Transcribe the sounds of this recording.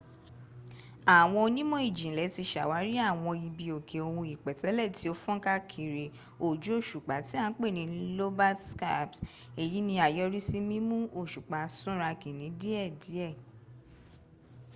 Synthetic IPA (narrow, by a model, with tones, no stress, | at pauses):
a˨w̃ɔ̃˧nĩ˦mɔ̃˦i˦˨d͡ʒĩ˨lɛ˨˦ti˧ʃa˨wa˨˦ɾi˦a˦˨w̃ɔ̃˧ji˧bi˧o˨kʰe˨o˨wũ˧i˨k͡pɛ˨tɛ˨˦lɛ˦˨ti˨˦o˦fɔ̃˦ka˦kʰi˨ɾe˨ | o˨d͡ʒu˨˦o˦˨ʃu˨k͡pa˨˦ti˨˦a˦˧n̩˦k͡pe˦˨nĩ˨˦lo˦ba˦tska̰˦˨ps | e˨ji˨˦nĩ˧a˨jɔ˧ɾi˦si˦mĩ˦mũ˦o˦˨ʃu˨k͡pa˨˦sũ˦ɾa˧ki˨nĩ˨˦di˦ɛ˦˨di˨˦ɛ˦˨